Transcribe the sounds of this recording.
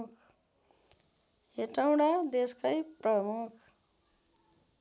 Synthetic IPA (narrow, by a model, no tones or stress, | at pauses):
kʰ | eʈaw̃ɽad̪eskajprʌmukʰ